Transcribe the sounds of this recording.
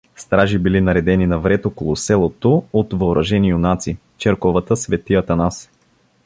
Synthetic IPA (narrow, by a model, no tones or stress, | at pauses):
st̪ɾaʒibilinɐɾɛd̪ɛninɐvɾɛt̪okolˠosɛlˠot̪oot̪vɐoɾʔɐʒɛnionat̪si | t͡ʃɛɾkɔvət̪əsvɛt̪iət̪ɐnas